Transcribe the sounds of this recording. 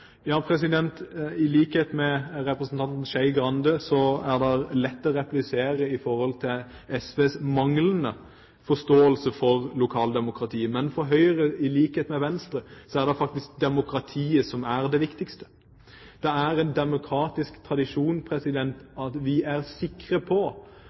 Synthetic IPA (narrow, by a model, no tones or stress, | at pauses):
jɑːpʰɾɛsɪd̪ɛnt̪ɪliːkəheːt̪mɛɾɛpɾəsn̩t̪ʰɑnt̪n̩ʃæɪɡɾɑnd̪əsɔæɾd̪ɛlɛt̪ːɔɾɛplɪseːɾəɪfɔɾhɔlt̪ʰɪl | ɛsʋeːsmɑŋlənə | fɔst̪oːəlsəfɔʁlʊkʰɑːld̪ɛmʊkɾɑt̪ʰiːəmɛnfɔɾɦœʏəɾəɪliːkheːt̪mɛʋɛnst̪ɾəsɔæʁd̪ɛfɑk̚t̪ɪsk̚d̪ɛmʊkɾɑt̪ʰiːəsɔmæɾd̪ɛʋɪkt̪ɪkst̪ə̥ | d̪̥ɛæɾɛnd̪ɛmʊkʰɾɑːt̪ɪskt̪ʰɾɑd̪ɪʂuːnpʰɾɛsɪd̪ɛnt̪ɑt̪ʋɪæɾsɪkɾəpʰɔ